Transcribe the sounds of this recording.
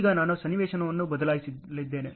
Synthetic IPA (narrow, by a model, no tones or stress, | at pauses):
ɡɐnaːnusɐnːiʋɛːʂɐnɐʋɐnːubɐd̪ɐlaːjsilid̪ːeːne